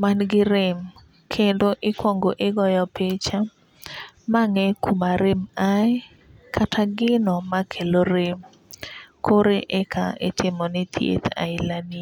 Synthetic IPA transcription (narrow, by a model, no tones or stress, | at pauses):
manɡɪɾɪm | kʰendoʔɪkwɔŋɡoʔɪɡɔjɔpʰet͡ʃa | maŋɛkʰumaɾɪmaɛ | kʰatʰaɡɪnɔmakʰeloɾɪm | kʰoɾeʔɛkʰaɪtɪmɔnɪt̪ʰjḛt̪a̰ɪlani